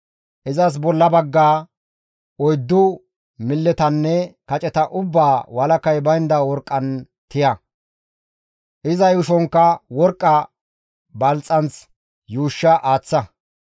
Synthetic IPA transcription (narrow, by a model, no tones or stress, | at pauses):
ʔɪzɐs̬bɔlːɐbɐɡːaː | ɔjd̪ːʊ | mɪlːɛt̪ɐnːɛkɐt͡ʃʼɛt̪ɐʔʊbːaːwɐlɐkɐjbɐjnd̪ɐwɔɾkʼːɐn | t̪ɪjɐ | ʔɪzɐjʊʃɔŋkːɐwɔɾkʼːɐ | bɐlt͡sʼːɐnt͡s | juːʃːɐʔaːt͡sːɐ